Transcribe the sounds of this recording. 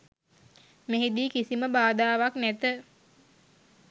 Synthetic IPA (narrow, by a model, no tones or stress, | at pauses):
meɦid̪iːkisiməbaːd̪aːʋaknæt̪ə